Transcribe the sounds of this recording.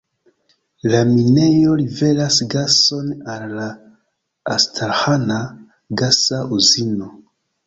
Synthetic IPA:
lamine̞jo̞live̞lasɡaso̞nalːaː | stʰalhana | ɡasaʔuzino̞

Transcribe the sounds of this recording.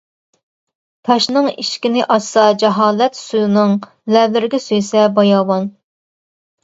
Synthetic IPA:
t̪ʰɑʃnɨŋḭʃkʲinɪʔɑʃsɑd͡ʒɛɦɑːlɛt̪sujnɨŋ | lɛvlɪɾɡʲɛsøjsɛbɑjɑːwɑn

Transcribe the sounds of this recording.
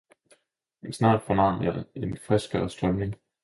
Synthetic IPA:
mensnɑ̰̈ːd̥fɒnɑ̰̈ːnɑe̝nfʁɛsɡ̥ɐːsd̥ʁœmne̝ŋ

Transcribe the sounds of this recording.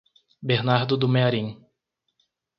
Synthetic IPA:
beɾnaɾd̪ʊd̪ʊmeaɾĩ

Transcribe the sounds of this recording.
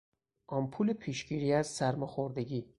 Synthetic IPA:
ʔɒmpʰulepʰiʃɡiːɾiːæzsæɾmɔxoɾd̪eɟiː

